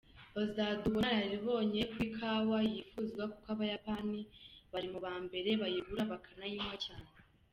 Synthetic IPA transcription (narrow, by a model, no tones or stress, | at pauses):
ozaduɡajaɾiβo̞ːɲe̞kwikʰawajifuːzɡwaku̥kaβajapaniβaɾimuβaːmbe̞ɾe̞βajiβuɾaβakʰanajiːmwecaːne